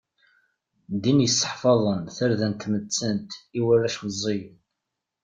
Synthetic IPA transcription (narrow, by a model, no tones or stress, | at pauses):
d̪injəsˤːə̥ħfɑðˤənθəɾðænt̪mət͡sːənt̪iwərːæʃmzˤːejən